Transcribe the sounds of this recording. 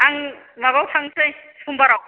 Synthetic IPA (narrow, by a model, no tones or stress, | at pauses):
aŋ | maβawtʰaŋsɯjsʰumbaɾaw